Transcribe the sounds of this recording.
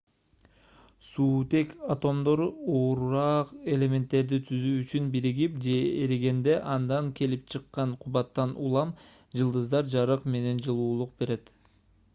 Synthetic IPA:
suːt̪e̞kat̪o̞md̪o̞ɾuoɾɾɑqe̞lʲe̞me̞nt̪ːe̞ɾd̪it̪ʰyzyːt͡ʃynbiɾiɡipd͡ʒe̞eɾeɡe̞nd̪e̞ʔɑnd̪ɑŋkʰe̞lip̚t͡ʃʰɯqːɑɴqʰuβɑt̪ːɑnulˠɑm | d͡ʒɯlˠd̪ɯzd̪ɑɾd͡ʒɑɾɯqme̞ne̞nd͡ʒɯlˠuːlˠuq̚be̞ɾe̞t̪

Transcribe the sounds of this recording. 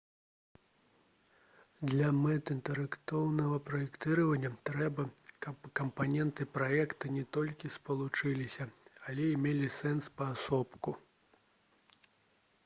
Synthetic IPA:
d̪lʲɐmɛt̪ɨnt̪ɛɾɛkt̪ɔwnɐvɐpɾɐjɛkt̪ɨɾɐvɐnʲːɐt̪ɾɛbɐkɐpkɐmpanʲɛnt̪ɨpɾajɛkt̪ɐnʲɛt̪ɔlʲkʲispɐlˠut͡ʂɨlʲisʲɐalʲɛimʲelʲisɛnspɐːsɔpku

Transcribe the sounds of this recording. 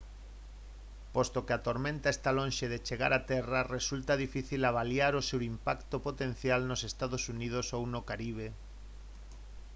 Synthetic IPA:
post̪okeat̪oɾmẽnt̪aest̪alõnʲʃeðet͡ʃeɣa̰ɾat̪ɛraresult̪aðifiθilaβ̞aljaɾosewimpakt̪opot̪ẽn̟θjalnosest̪aðosunið̞osownokaɾiβ̞e

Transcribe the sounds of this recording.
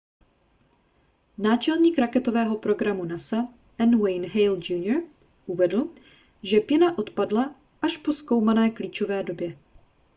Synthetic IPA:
naːt͡ʃɛlɲiːkɾakɛt̪o̞vɛːɦo̞pɾo̞ɡɾamunasa | ʔɛnwɛjnɦɛjld͡ʒuːnjoɾ | ʔuvɛdl̩ˠ | ʒɛpɪnaʔo̞t̪padla | ʔaʃpo̞sko̞wmanɛːkliːt͡ʃo̞vɛːdo̞bjɛ

